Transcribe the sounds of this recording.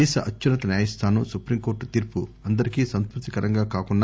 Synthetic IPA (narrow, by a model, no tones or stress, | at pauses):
ɛːʃɐʔɐt͡ʃːunɐt̪ɐnjaːjɐst̪ʰaːnusupɾimkoːɾʈut̪iːɾpuɐnd̪ɐɾikiːsɐnskɾut̪ikɐɾɐŋɡaːkaːkunːa